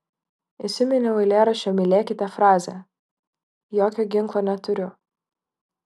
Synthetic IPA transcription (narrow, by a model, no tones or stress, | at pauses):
ɪsʲɪmʲɛnʲɛʊɪlʲeːɾɐʃʲɛmʲɪlʲeːkʲɪt̪ʲɛfɾɑːzʲɛ | joːkʲoːɡʲɪŋklˠoːnʲɛt̪ʊɾʲʊ